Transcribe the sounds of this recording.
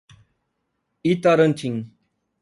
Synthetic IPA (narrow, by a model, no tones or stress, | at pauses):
it̪aɾənt͡ʃʰiŋ